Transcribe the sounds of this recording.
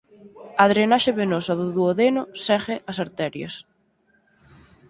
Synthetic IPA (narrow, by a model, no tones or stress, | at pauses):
aðɾenaʃeβenɔsɐðʊðuoðenʊsɛɣeʔɐsaɾt̪ɛɾjɐ̰s